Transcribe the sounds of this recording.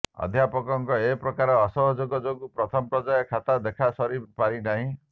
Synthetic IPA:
ɔ̰d̪ʱjapɔkɔŋkɔepɾɔkaɾɔːsɔɦɔd͡ʒoɡɔd͡ʒoɡupɾɔt̪ʰɔmɔpɾɔd͡ʒajɔkʰat̪ad̪ekʰasɔɾipaɾinaɦĩ

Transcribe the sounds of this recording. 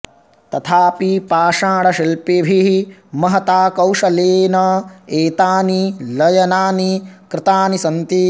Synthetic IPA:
t̪ɐt̪ʰaːpipaːʂaːɽɐʃilpibʱimɐɦɐt̪aːkɐwʂɐleːnɐeːt̪aːnilɐjɐnaːnikɾɪt̪aːnisɐnt̪i

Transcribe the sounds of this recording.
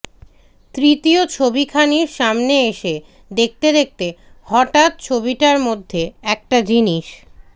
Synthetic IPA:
t̪ɾit̪iot͡ɕʰobikʰaniɾʃamneeʃe | d̪ek̚t̪ed̪ek̚t̪ehɔʈat̪̚t͡ɕʰobiʈaɾmod̪ʱːeɛk̚ʈad͡ʑiniʃ

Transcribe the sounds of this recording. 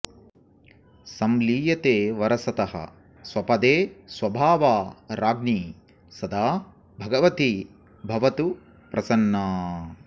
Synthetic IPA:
sɐmliːjɐt̪eːʋɐɾɐsɐt̪ɐɦɐ̰ | swɐpɐd̪eːswɐbʱaːʋaːɾaːɡniː | sɐd̪aː | bʱɐɡɐʋɐt̪i | bʱɐʋɐt̪u | pɾʔɐsɐnːaː

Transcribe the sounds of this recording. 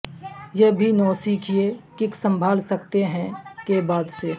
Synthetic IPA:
jeɦbʱinɔːsiːkʰiekɪksə̃mbʱaːlsɐkt̪eɦɛ̃kebaːd̪seː

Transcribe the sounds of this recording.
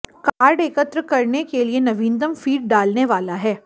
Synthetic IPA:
kaːɾɖeːkət̪ɾəkɐɾnekelienɐʋĩːnd̪əmfiːʈ̚ɖaːlneʋaːlaɦɛː

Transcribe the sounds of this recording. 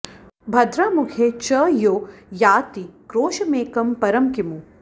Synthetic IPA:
bʱɐd̪ɾaːmʊkʰet͡ʃɐjoːjaːt̪ikɾoːʃɐmeːkɐmpɐɾɐmkimu

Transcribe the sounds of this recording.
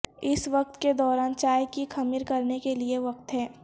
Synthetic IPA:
ɪsʋɐq̚t̪ked̪ɔːɾaːnt͡ʃaːjkixɐmɪɾkɐɾnekelieʋɐk̚t̪ɦɛː

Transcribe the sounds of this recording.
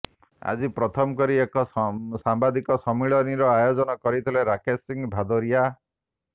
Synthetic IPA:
a̰d͡ʒipɾɔt̪ʰɔmɔkɔɾiekɔsambad̪ikɔsɔmiɭɔniɾɔajod͡ʒɔnɔkɔɾit̪ʰileɾakʰesiŋbʱad̪oɾija

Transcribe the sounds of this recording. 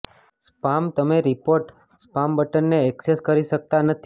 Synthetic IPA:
spamt̪əmeɾipoɾʈ | spambəʈənːeɛkseskəɾiʃək̚t̪anət̪ʰ

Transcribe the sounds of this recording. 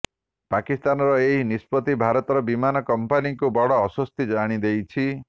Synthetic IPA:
pakist̪anɔɾɔeɦinispɔt̪ibʱaɾɔt̪ɔɾɔbimanɔkɔmpanikubɔɽɔːsɔst̪id͡ʒaɽ̃id̪ejt͡ʃʰi

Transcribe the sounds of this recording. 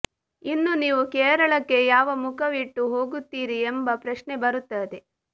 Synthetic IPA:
inːuniːʋukeːɾɐɭɐkːe̞jaːʋɐmukʰɐʋiʈːuɦo̞ːɡut̪ːiːɾiembɐpɾɐʃnebɐɾut̪ːɐd̪e̞

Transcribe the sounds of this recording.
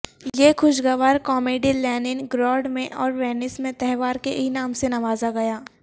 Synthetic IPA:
jexʊʃɡɐʋaːɾkɔːmeːɖilɛːnɪnɡɾɔːɖmẽʔɔːɾʋeːnɪsmẽt̪ɛɦʋaːɾkeinaːmsenɐʋaːzaɡɐjaː

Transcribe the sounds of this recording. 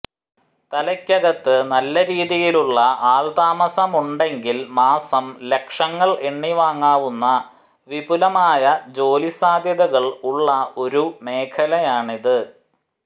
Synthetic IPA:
t̪ɐlɐkʲːɐɣɐt̪ːɨnɐlːɐɾiːðijiluɭːɐaːɭd̪aːmɐsɐmuɳɖe̞ŋɡilmaːsɐmle̞kʂɐŋːɐɭeɳːiʋaːŋːaːʋunːɐ | ʋibulɐmaːjɐd͡ʑo̞ːlisaːd̪ʱjɐðɐɣɐɭuɭːɐo̞ɾume̞ːkʰɐlɐjaːɳiðɨ

